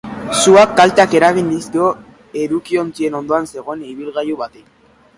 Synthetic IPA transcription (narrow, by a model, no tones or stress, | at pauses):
suakːalt̪eake̞ɾaɣ̞ind̪iskeo̞ | e̞ɾukio̞nt͡sie̞no̞nd̪oanse̞ɣ̞o̞eniβ̞ilɣajuβat̪ek